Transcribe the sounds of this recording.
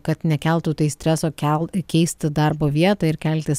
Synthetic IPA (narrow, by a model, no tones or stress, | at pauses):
kɐt̪nʲɛkʲɛlˠt̪uːt̪ɐɪsʲt̪ʲɾʲɛsoːkʲɛlˠkʲɛɪsʲt̪ʲd̪ɐɾboːʋʲiɛt̪oːɪɾkʲælʲt̪ʲɪs